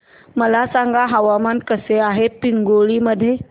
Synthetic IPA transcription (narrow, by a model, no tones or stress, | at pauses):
məlasãŋɡʱaɦəʋamankəseaɦepɪŋɡoɭiməd̪ʱje